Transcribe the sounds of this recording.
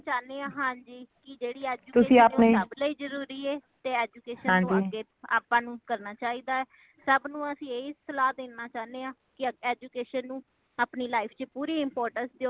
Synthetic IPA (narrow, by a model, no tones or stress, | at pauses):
t͡ʃaːneːãːɦãːɲd͡ʒiːkɪd͡ʒeːɽiːɛːd͡ʒuːt̪ʊsĩːaːneəbləiːd͡ʒəɾuːɾiːɛːt̪eːɛːd͡ʒuːkeːʃəãːd͡ʒiɡeː | aːpãːnũːkəɾnaːt͡ʃaːiːd̪aːɛː | səbnũːəsĩːeːɪsəlaːd̪eːnaːt͡ʃaːneːãː | kɪɛːd͡ʒuːkeːʃənːũː | aːpniːlaːɪpʰt͡ʃpuːɾiːɪmpoːɾʈənsd̪eoː